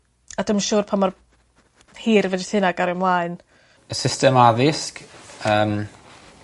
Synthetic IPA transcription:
adəmʃuːrpʰamar | hiːɾvɛditʰɪnaɡaɾɪmlˠaɨn | əsɪstɛmaðɪskəːm

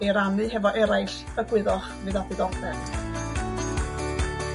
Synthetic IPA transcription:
eɾamɨɦɛvɔʔɛɾajɬ | əɡ̥wɪðɔ | vɨðadiɡɔŋfʰɛ

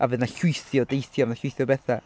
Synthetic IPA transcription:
ʔavɨðnaɬʊjθjɔdejθjɔvənaɬwʊjθjɔbɛθa

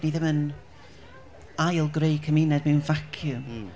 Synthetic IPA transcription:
niðɪmən | ajlˠɡrejkʰəmɪnɛdmɛwnvakʰjʊm

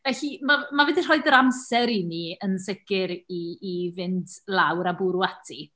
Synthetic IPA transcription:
vɛɬimamavɛdir̥ɔɨdəɾamsɛɾiniənsəɡɪɾiːvɪndlˠawɾabuɾwatʰi

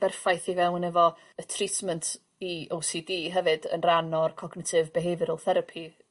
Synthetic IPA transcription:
b̥ɛrfajθivɛwnɛvɔ | ətʰritʰməntʰ | iowsidiːɦɛvɨdə̰nranɔrkʰɔɡnɪtʰɪvbɛɦɛvɨɾɔlˠθɛɾəpʰi

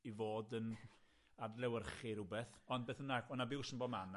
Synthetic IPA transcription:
ivoːdən | adlɛwərχɪɾʊbɛθɔnd̚beːθənaɔnabɪwsənbɔman

